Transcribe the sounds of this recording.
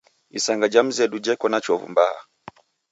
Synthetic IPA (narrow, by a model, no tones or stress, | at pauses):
isaŋɡad͡ʒam̩zɛdud͡ʒɛkɔnat͡ʃɔvṵmbaha̰